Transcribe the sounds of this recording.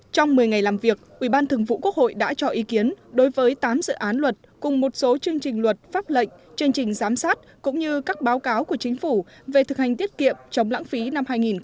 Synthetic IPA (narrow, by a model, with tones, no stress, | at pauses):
t͡ɕɔ˧wŋ͡mmɨ˨˩əjŋa˨˩jlaː˨˩mvi˨˩ək̚ʔi˧˩ɓaː˧nt̪ʰɨ˨˩əŋvṵ˧˨ku˦˥ək̚ho̰˧˨jɗa̰ː˧˥t͡ɕɔ˧˩ʔi˨˦ki˨˦ənɗo˨˦jvəː˨˦jt̪aː˨˦mzɨ̰˧˨ʔaː˨˦nlwə˨˩t̚kʊ˨˩ŋ͡mmo˨˩t̚so˨˦t͡ɕɨ˧əŋt͡ɕï˨˩ŋ̟lwə˨˩t̚faː˦˥p̚lə̰˧˨ŋ̟t͡ɕɨ˧əŋt͡ɕï˨˩ŋ̟zaː˨˦msaː˦˥t̚kʊ̰˧˥ŋ͡mɲɨ˧kaː˦˥k̚ɓaː˨˦wkaː˨˦wku˧˩ət͡ɕï˨˦ŋ̟fu˧˩ve˨˩t̪ʰɨ˨˩k̚ha˨˩ŋ̟t̪i˦˥ət̚kḭ˧˨əmt͡ɕə˨˦wŋ͡mla̰ː˧˥ŋfi˨˦na˧mhaː˧jŋi˨˩n